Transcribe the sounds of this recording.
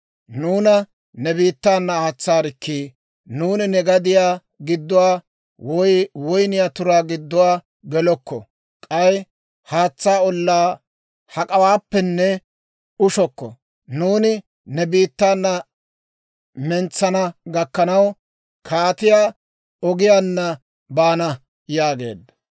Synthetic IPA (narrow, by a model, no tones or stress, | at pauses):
nuːnɐ | nɛbiːt̪ːaːnːɐːt͡sːaːɾɪkːiː | nuːnɪnɛɡɐd̪ɪjaː | ɡɪd̪ːʊwaː | wɔjwɔjnɪjaːt̪ʊɾaːɡɪd̪ːʊwaː | ɡɛlɔkːɔ̰ | kʼɐj | haːt͡sːaːɔlːaː | hɐkʼɐwaːpːɛnːɛ | ʊʃɔkːɔ̰ | nuːnɪ | nɛbiːt̪ːaːnːɐ | mɛnt͡sːɐnɐɡɐkːɐnɐw | kʰaːt̪ɪjaː | ɔɡɪjaːnːɐ | baːnɐ | jaːɡe̞̰ːd̪ːɐ